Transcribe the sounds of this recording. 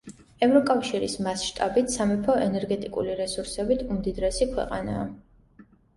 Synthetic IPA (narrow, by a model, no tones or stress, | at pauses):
ɛvɾɔkʼafʃiɾḭsmasʃt̪ʼabit̪ʰsamɛpʰɔʔɛnɛɾɡɛt̪ʼikʼṵliɾɛsuɾsɛbit̪ʰumd̪id̪ɾɛsikʰwɛ̰qʼana̰ː